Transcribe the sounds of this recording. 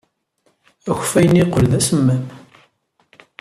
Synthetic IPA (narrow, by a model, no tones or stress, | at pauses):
æçfæjəniqəlðæsəmːæm